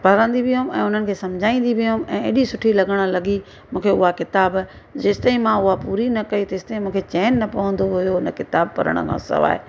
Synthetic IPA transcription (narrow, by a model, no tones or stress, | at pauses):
pɐɾə̃nd̪ibɪʊ̃mɛ̰̃ːʊn̤ənɪ̆kʰeːsɐ̃md͡ʑʱaːĩːnd̪ibɪʊmɛ̃ːḛːɗisʊʈʰilɐɡəɽ̃ə̆lɐɡi | mũːkʰeʊɦakɪt̪aːb | d͡ʑeːst̪ɐĩmãʊɦapuːɾinɐkɐit̪ɐɪst̪ɐĩmũːkʰet͡ɕɛːnːɐpɐʋə̃nd̪oɦʊjoʊnəkɪt̪aːbpɐ̰ɾə̰ɽ̃ə̰kʰã̰ːsɐ̰ʋa̰ːḛ